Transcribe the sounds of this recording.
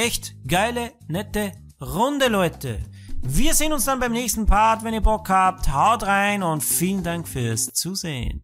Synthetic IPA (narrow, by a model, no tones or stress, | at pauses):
ɛçtɡ̥aɪlə | nɛtə | ʁʊndəlɔʏtə̰ | viːɐzeːənʊnsd̥anbaɪmnɛːçstn̩pʰaɐtvɛniːɐbɔkhaːp̚thaʊtʁaɪnʊntfiːlən̩daŋkfyːɐst͡suːzeːə̰n